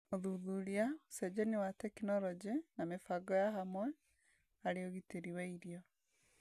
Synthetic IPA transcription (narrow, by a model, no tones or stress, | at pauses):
oðuðuɾiasɛd͡ʑɛnewatɛkinɔɾɔd͡ʑenamefaɡɔjaɦamwɛ | aɾeoɣiteɾiwɛiɾiɔ